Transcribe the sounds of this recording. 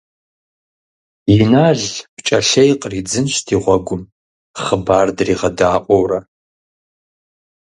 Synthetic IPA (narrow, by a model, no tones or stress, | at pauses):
jinaːɮpt͡ʃʼɐɬɐjqʼrid͡zɨnʃtʰiːʁʷɔɡʷʊm | χəbaːrdriːʁɐdaːʔʷʼowrɐ